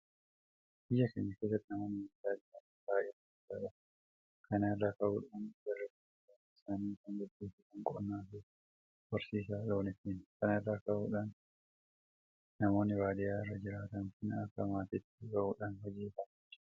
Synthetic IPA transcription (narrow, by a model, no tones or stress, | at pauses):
b̥ɪjːɐkeɲːɐkeːs̬ːɐt̪ːɪnɐmoːnɪdaːd̪ɪanbaːjɛtːɐɪtːa̰ːᶑɐ | kʰɐnrːakɐʔuːᶑandɐrːɐbɪsa | ɪsaːniːkɐŋɡɐd̪ːeːfɪkɐŋkʼɔ̰nːaːfe | bɐɾsiːs̬aːloːnɪfinkɐnɛrːakɐʔṵːᶑan | nɐmo̞ːnːɪbaːd̪ɪjaːɪrːɐd͡ʒɪɾaːt̪ɐnkɪnɐkːɐmaːt̪ɪt̪ːɪɡɐʔuːᶑanhɔd͡ʒiːfɐm | t͡ʃː